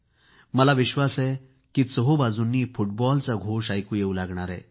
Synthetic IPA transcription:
məlaʋiɕʋasɛ | kiːt͡səɦobad͡zunːiːfuʈbɔlt͡saɡʱoʂajkuːjeulaɡɳ̃aɾɛ̰̃

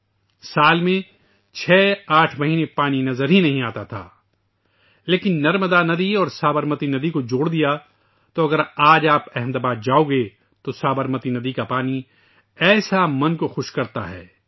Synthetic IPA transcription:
saːlmẽ | t͡ʃʰɛːaːʈʰmɐɦiːnepaːninɐzəɾɦinɐɦĩaːt̪at̪ʰa̰ː | leːkɪnːɐɾməd̪anɐd̪iɔːɾsaːbəɾmət̪inɐd̪ikod͡ʒoːɽd̪ija | t̪oɐɡəɾaːd͡ʒaːpɛɦɛ̃md̪aːbaːd̪̚d͡ʒaːoɡe | t̪osaːbəɾmət̪inɐd̪ikapaːni | ɛːsamɐ̃nkoxʊʃkɐɾt̪a̰ɦɛ̰ː

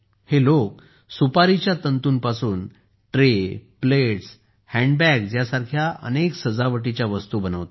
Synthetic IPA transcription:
helok̚ | supaɾit͡ɕjat̪ənt̪uːnpasuːn | ʈɾepleʈs | hɛ̃ɳɖbɛkd͡ʑjasaɾkʰjaʔə̰neksəd͡zaʋəʈit͡ɕjaʋəst̪ubənəʋt̪o

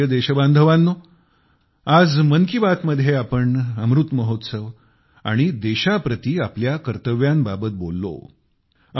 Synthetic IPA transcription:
əd̪eɕəband̪ʱəʋãnːo | ad͡zmənkibat̪məd̪ʱjeapəɳəmɾut̪məɦot̪səʋ | a̰ɽ̃id̪eɕapɾət̪iːapljakəɾt̪əʋjambabət̪̚bolːo̰

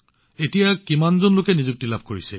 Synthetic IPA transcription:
etijakimanzonlʊkɛnizuk̚tilabʱkoɹisɛ

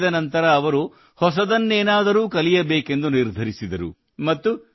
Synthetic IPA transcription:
d̪ɐnɐnt̪ɐɾɐːʋɐɾu | hɔs̬ɐd̪ɐnːeːnaːd̪ɐɾuːkɐlijɐbeːke̞nd̪uniɾd̪ʱɐɾisid̪ɐɾṵ | mɐt̪ːu

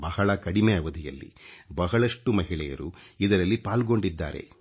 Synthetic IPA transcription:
bɐhɐɭɐkɐɽimeɐʋɐd̪ʱijɐlːḭbɐɦɐɭɐʂʈumɐɦiɭɛjɐ̰ɾuid̪ɐɾɐlːipaːlɡo̞ɳɖid̪ːa̰ːɾe̞̰

